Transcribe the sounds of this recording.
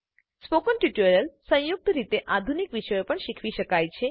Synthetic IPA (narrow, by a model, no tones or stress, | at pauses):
spokənʈuʈoɾəlsə̃juk̚t̪əɾit̪eʔad̪ʱunikʋiʃəjopəɳʃikʰʋiʃəkajt͡ʃʰe